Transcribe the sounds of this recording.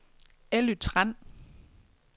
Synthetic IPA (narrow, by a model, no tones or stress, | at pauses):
elyt͡sʰʁan̰